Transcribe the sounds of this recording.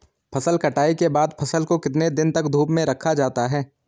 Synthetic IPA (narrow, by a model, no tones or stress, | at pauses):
pʰɐsəlkɐʈaːikebaːd̪pʰɐsəlkokɪt̪ned̪ɪnt̪ɐkd̪ʱuːpmẽɾɐkʰːad͡ʒaːt̪aɦɛː